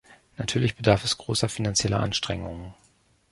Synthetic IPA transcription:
natʰyːɐlɪçb̥ədaɐfɛsɡ̥ʁoːsɐfinant͡sjɛlə̰ʔa̰nʃtʁ̥ɛŋʊŋən

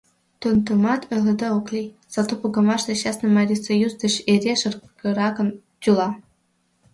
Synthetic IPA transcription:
t̪unt̪ŭmɑt̪ø̆lʲĕd̪ɑoklʲiz̥ɑt̪upɡɤ̆mɑʃt̪ĕɕɑsnɤ̆mɑɾʲisojuzd̪ɤ̆ɕerʲeʃɤ̆rkɤ̆ɾɑkɤ̆n | t̪ʲylˠɑ

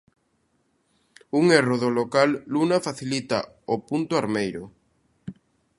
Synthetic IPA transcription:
uŋeroðolokalːunafaθilit̪a̰ | opunt̪ʊaɾmejɾʊ

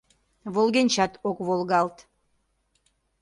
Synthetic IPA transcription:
βolɣenʲt͡ɕɑt̪okβolɣɑlt̪

